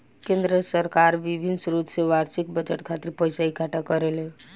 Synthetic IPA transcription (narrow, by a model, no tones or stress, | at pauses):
kẽnd̪ɾəsəɾkaɾʋibʱinsɾut̪seʋaɾsik̚bəd͡ʒəʈkʰat̪iɾpəjsaikaʈakəɾele